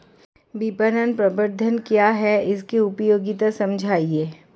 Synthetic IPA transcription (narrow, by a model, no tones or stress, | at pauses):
bipəɾənpɾɐbəɾd̪ʱənkjaɦɛɪskiʊpjoːɡit̪ɐsɐ̃md͡ʒʱaːieː